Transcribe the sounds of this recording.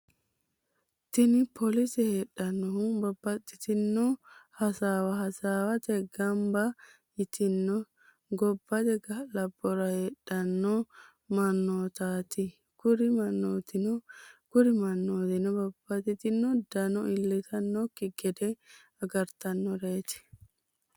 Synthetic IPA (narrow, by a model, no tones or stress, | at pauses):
t̪ɪnɪpʰɔlɪsɪheːɗːɐnːɔhʊbɐbːɐt̪ːɪt̪ɪnːɔhɐsaːwɐɦɐsaːwɐt̪ɛɡɐmbɐ | ɪt̪ɪnːɔ | ɡɔbːɐt̪ɛɡɐlɐbːɔɾɐheːᶑːɐnːɔ | mɐnːoːt̪aːt̪ɪ | kʊɾɪmɐnːoːt̪ɪnɔkʊɾɪmɐnːoːt̪ɪnɔbɐb̥ːɐt̪ɪt̪ɪnːɔd̪ɐnɔʔɪlːɛt̪ʰɐnːɔkːɪɡɛd̪ɛ | ɐɡɐɾt̪ɐnːɔɾeːt̪ɪ̥